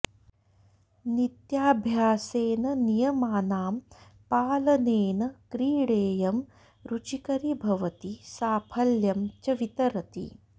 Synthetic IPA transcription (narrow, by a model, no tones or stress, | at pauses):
nit̪jaːbʱjaːseːnɐnijɐmaːnaːmpaːlɐneːnɐkɾiːɽeːjɐm | ɾut͡ʃikɐɾibʱɐʋɐt̪isaːpʰɐljɐmt͡ʃɐʋit̪ɐɾɐt̪ḭ